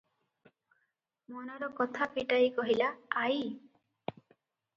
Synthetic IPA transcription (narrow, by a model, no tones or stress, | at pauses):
mɔnaɾɔkɔt̪ʰapiʈajkɔɦilaːj